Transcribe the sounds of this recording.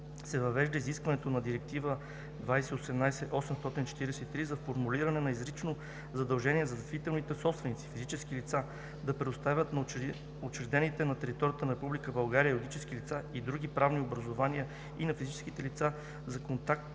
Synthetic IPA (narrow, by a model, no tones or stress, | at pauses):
sɛvɐvɛʒd̪ɐiziskvɐnɛt̪onɐd̪iɾɛk̚t̪ivə | d̪vajsɛosɛmnajsɛʔɔsɛmst̪ɔt̪int͡ʃɛ̥t̪iɾɛsɛit̪ɾizɐfoɾmuliɾɐnɛnɐizɾit͡ʃno | zɐd̪ɐlˠʒɛniɛzɐzɐt̪vit̪ɛlˠnit̪ɛsɔpst̪vɛnit̪si̥fizit͡ʃɛskilit̪sa | d̪ɐpɾɛd̪ost̪avʲət̪n | ot͡ʃɛɾd̪ɛnit̪ɛnɐt̪ɛɾit̪ɔɾijət̪ənɐɾɛpublikəbɐlˠɡaɾiəjlˠoɡit͡ʃɛskilit̪said̪ɾuɡ̟ʲipɾavniobɾɐzovaniə | inɐfizit͡ʃɛskit̪ɛlit̪sa | zɐkont̪ak̚t̪